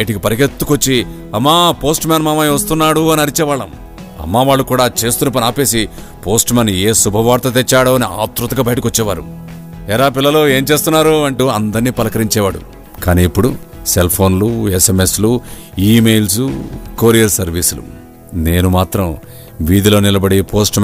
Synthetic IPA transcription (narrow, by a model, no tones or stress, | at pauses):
ɐjʈikipɐɾiket̪ːukot͡ʃːi | ɐmːaːpo̞ːsʈmʲɛːnmaːmaːjʋɐst̪unːaːɽuɐniɐɾit͡ʃɛːʋaːɭɐm | ɐ̰mːaːʋaːɭːukuːɽaːt͡ʃe̞ːst̪uːnɐp̬ɐnaːpe̞ːsi | po̞ːsʈmaːneːsubʱɐʋaːɾt̪ɐt̪ɛt͡ʃːaːɽoːɐnia̰ːt̪ɾut̪ɐɡɐbɐjʈikɔt͡ʃːɛːʋaːɾṵ | ɛlaːpilːɐlo̞ːe̞ːmt͡ʃe̞ːst̪unːaːɾuɐɳʈuːɐnd̪ɐɾniːpɐlɐkɐɾiɲt͡ʃɛːʋaːɽṵ | kaːniːpːuɽuselpʰo̞ːnlueseme̞slu | iːme̞jls̬ukoːɾijɐɾsɐɾʋiːsulṵ | neːnumaːt̪ɾɐm | ʋiːd̪iloːnilɐbɐɽipʰo̞ːsʈ